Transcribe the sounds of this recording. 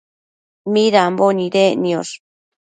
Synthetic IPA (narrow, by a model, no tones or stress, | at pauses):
miɾamboniɾenios